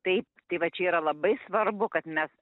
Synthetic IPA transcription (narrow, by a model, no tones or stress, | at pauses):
t̪ɐɪp̚t̪ɐɪʋɐt͡ʃʲɛiːɾɐlˠɐbɐɪsʋɐɾbʊkɐt̪mʲɛs